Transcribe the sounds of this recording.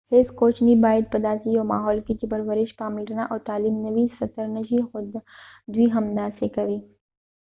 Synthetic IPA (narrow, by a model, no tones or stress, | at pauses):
heːskoːt͡ʃnibaːjəd̪̚pɐd̪aːsioːma̰ːɦɔːlkit͡ʃɪbɐɾʋəɾɪʃpaːmɪlʈnaʔɔːɾt̪aːliːmnɐʋisɐt̪əɾnɐʃixʊd̪ | d̪wiɦɐmd̪asekɐɾiː